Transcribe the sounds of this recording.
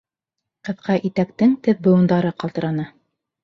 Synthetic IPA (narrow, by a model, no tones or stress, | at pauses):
qɤ̆ðqɑʔit̪ækt̪ɘŋt̪ɘðbɤ̆jŭnd̪ɑɾɤqɑlˠt̪ɤ̆ɾɑnɤ